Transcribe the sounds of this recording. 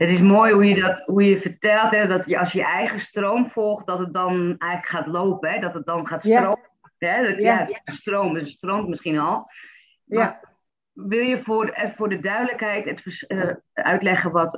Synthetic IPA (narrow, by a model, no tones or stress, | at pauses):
ətɪs̬moːjɦujədɔtɦujəfərtɛlˠtɛdɔtjəʔɔsjəʔɛjɣəstroːmfɔlˠxt̚dɔtət̚dɔnɛjɣələkχaːtloːpəɦɛdɔtət̚dɔnχaːtstro | ɦɛətatstroːmədøsətstroːmtmɪsχinɔlˠ | ma | ʋɪlˠjəfʊrfʊːrdədœɥdələkɦɛjtətfəsœ̰ɥtlɛχəʋɔt